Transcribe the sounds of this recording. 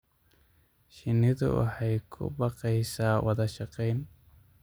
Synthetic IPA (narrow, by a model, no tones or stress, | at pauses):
ʃɪnɪðʊ̰wɑ̰ħɑjkʰʊ̰bɑqɛjsaːwɑðɐʃɑqɛjn